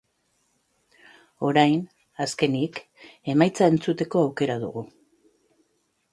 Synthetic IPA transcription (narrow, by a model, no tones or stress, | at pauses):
o̞ɾajn | aske̞nik | e̞majt͡sae̞nt͡sut̪e̞ko̞awke̞ɾaðṵɣu